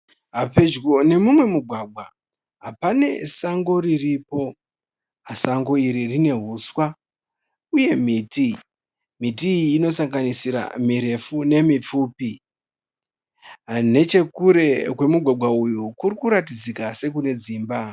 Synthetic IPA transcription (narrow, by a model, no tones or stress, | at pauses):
ɦape̞d͡ʒɡo̞ne̞mumwe̞muɡʱwaɡʱwa | ɦapane̞̰saŋɡo̞ɾiripo̞ | ɦasaŋɡo̞iɾirine̞ɦuːswa | uje̞miːti | mitiːno̞saŋɡanisiɾa̰miɾe̞fune̞mip͡fuːpi | ane̞t͡ʃe̞kuɾe̞kwe̞muɡʱwaɡʱwaujukurikuɾat̬id͡zikase̞k̬une̞d͡ziːmba